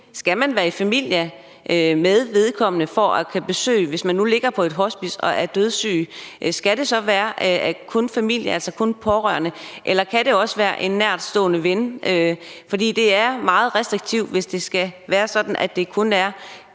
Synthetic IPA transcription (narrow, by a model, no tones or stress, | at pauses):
sɡ̥æmænʋæːɐifæmil̰jɐ | ʔmeðˠʋe̝ðˠkʰɒ̽m̰ənəfɒʔækʰæb̥e̝sø̰ːɪʋe̝smænːule̝ɡ̥ɐpʰɒ̽e̝d̥ɦɒ̽sb̥isɒ̽ʔæɐd̥øð̞ˠsy̰ːʔsɡ̥æɾ̥e̝sɒ̽ʋæːɐkʰɔ̽nfæmil̰jəælsɐkʰɔ̽npʰɒʁɶ̰ɐnəʔelɐkʰæd̥e̝ɒ̽səʋæːɐʔe̝nːæɐ̰d̥sd̥ɔ̰ːnəʋenʔøfɒ̽d̥ḭːd̥e̝æɐmɑ̈ːð̞̩ˠʁɛsd̥ʁiɡ̥̚t͡sʰiʊ̰ʋe̝sd̥e̝sɡ̥æʋæːɐsɒ̽d̥n̩ʔæd̥e̝kʰɔ̽næɐ